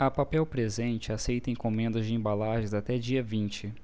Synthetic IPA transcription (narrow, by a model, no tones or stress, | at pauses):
ɐpapɛwpɾezẽnt͡ʃɪasejt̪ẽj̃kõmẽnd̪ɐzd͡ʒɪẽbalaʒẽzat̪ɛd͡ʒiɐvĩnt͡ʃɪ